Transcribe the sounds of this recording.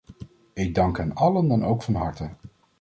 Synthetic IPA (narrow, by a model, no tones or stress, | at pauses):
ɪɡ̚dɑŋkɦɛnɑləndɑnowkfɑnɦɑɹtə